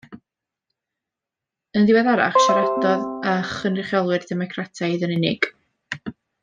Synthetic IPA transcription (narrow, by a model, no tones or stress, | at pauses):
əndɪwɛðaɾa̰χʃaɾɛdɔðaχənrɪχjɔlˠwɨrdɛmɔkʰratʰajðənɪnɪ̰ɡ̥